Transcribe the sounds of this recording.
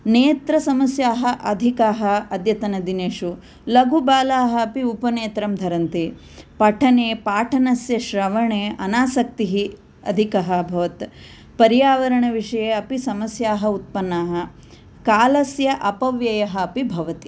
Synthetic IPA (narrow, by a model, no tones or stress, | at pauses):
neːt̪ɾɐsɐmɐsjaːɦɐʔɐd̪ʱikaːɦɐɐd̪jɐt̪ɐnɐd̪ineːʂu | lɐɡʱubaːlaːɦɐːpiupɐneːt̪ɾɐmd̪ʱɐɾɐnt̪e | pɐʈʰɐneːpaːʈʰɐnɐsjɐʃɾɐʋɐɳeːɐnaːsɐk̚t̪iɦi | ɐ̰d̪ʱikɐɦɐbʱɐʋɐt̪ | pɐɾjaːʋɐɾɐɳɐʋiʂɐjeːɐpisɐmɐsjaːɦɐut̪̚pɐnːaːɦɐ̆ | kaːlɐsjɐʔɐpɐʋjɐjɐɦɐːpibʱɐʋɐt̪i̥